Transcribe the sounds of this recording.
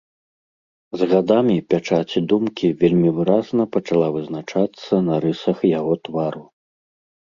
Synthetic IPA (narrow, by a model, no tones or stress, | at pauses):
zɣad̪amʲipʲat͡ʂat͡sʲid̪umkʲivʲelʲmʲivɨɾaznɐpɐt͡ʂalˠavɨznat͡ʂat̪sːɐnɐɾɨsɐxjaɣɔt̪vaɾu